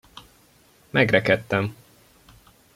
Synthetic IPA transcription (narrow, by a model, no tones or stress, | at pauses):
mɛɡrɛkɛt̪ːɛm